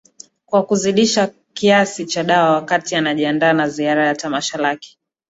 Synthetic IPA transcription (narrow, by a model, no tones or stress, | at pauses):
kwakuziɗiʃa | kiasit͡ʃaɗawawakatianaʄiandaːnaziaɾajatamaʃalakɛ̥